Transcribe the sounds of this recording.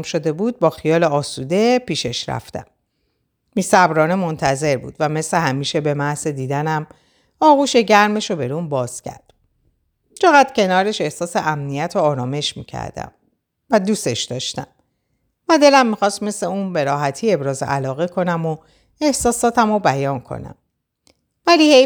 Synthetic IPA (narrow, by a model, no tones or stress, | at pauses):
mʃo̞d̪e̞buːd̪̚bɒːxijɒːleɒːsuːd̪e̞piːʃe̞ʃɾæ̰ft̪æ̰mː | iːsæbɾɒːne̞mo̞nt̪ʰæze̞ɾbṵːd̪̥væme̞sle̞hæmiːʃe̞be̞mæhze̞d̪iːd̪ænæm | ɒːɣuːʃe̞ɟæɾme̞ʃobe̞ɾumbɒːz̥cʰæ̰ɾd̪̥ | t͡ʃʰe̞ɣæd̪̥cʰe̞nɒːɾe̞ʃe̞hsɒːse̞ʔæmnijæt̪ʰoɒːɾɒːme̞ʃmḭːcʰæ̰ɾd̪æ̰m | væd̪uːse̞ʃd̪ɒːʃt̪æ̰m | væd̪e̞læmːixɒːst̪me̞sle̞uːnbe̞ɾɒːɦæt̪ʰiːe̞bɾɒːzḛʔælɒːɣe̞kʰo̞næmo | e̞hsɒːsɒːt̪ʰæmobæjɒːnkʰo̞̰næ̰m | væliːhe